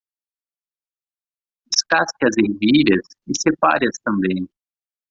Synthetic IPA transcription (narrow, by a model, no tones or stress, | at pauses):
ɪskaskɪɐzeɾviʎɐs | ɪsepa̰ɾiɐst̪ɐ̃mbẽj̃